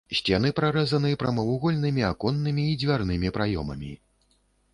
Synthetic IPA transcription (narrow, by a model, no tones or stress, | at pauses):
ɕʲt͡sʲanɨpɾaɾɛzɐnɨpɾɐmɐwuɣɔlʲnɨmʲiakɔnːɨmʲiːd͡zʲvʲarn̪ɨmʲipɾajɔmɐ̰mʲḭ